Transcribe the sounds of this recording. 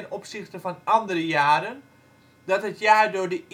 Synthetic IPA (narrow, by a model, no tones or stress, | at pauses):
nɔpsɪxtəfɑnɑndərəjaːɾən | dɔtɦətjaːrdʊːɹdəʔ